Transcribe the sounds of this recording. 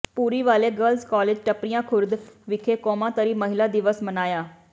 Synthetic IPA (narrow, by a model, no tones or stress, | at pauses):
puːɾiʋaːleɡəlzkɔːleːd͡ʒʈəpɾijãkʰʊɾd̪ʋɪkʰekɔːmãt̪əɾiːməɦɪlad̪ɪʋəsmənaːjaː